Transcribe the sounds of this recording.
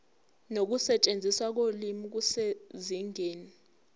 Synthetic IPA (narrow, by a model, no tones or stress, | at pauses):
nok̬usɛt͡ʃʼend͡zʱiswak̬olimik̬useziŋeːni